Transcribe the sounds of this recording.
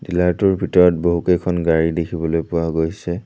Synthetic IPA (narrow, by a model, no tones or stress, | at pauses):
dilatʊɹbʱitɔɹɔt̚boɦukejkʰɔnɡaɹidekʰibɔlojpʊwaɡojsɛ